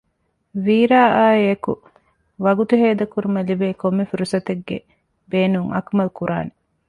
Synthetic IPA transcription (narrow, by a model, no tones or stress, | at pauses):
ʋiːɾaːaːieku | ʋɐɡut̪uɦeːd̪ɐkuɾumɐlibeːkomːefiɾusɐt̪eɡːḛ | beːnuŋɐ̰kmɐlkuɾʔa̰ːne